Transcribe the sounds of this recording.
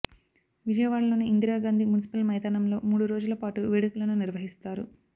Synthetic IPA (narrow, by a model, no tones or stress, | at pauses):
ʋid͡ʒɐjɐʋaːɭɐlo̞ːniːnd̪iɾaːɡaːnd̪ʱimunisi̥pɐlmɐjt̪anɐmlo̞ːmuːɽuɾoːd͡ʒulɐpaːʈuʋeːɽukulɐnuniɾʋɐɦist̪aːɾṵ